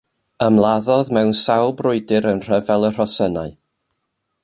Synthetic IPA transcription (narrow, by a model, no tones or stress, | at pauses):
əmlˠaðɔðmɛwnsawlˠbrʊɨdɪɾənr̥əvɛlˠər̥ɔsənaɨ